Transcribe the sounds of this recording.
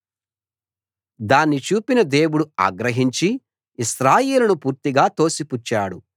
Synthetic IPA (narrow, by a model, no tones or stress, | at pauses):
d̪aːnːit͡ʃuːpinɐd̪eːwuɽua̰ːɡɾɐɦiɲt͡ʃi | iʃɾaːjeːlɐnupuːɾt̪iɡaːt̪o̞ːsiput͡ʃːaːɽu